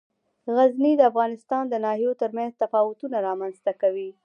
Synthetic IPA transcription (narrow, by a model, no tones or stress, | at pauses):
ɣaznid̪əafɣɑnɪst̪ɑnd̪ənɑɦijot̪əɾmanzt̪afɑwʊt̪unaɾɑmanzt̪akawi